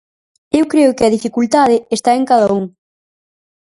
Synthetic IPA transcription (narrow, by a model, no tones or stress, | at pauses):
ewkɾeʊkɪɐðifikult̪aðɪest̪aeŋkaðɐuŋ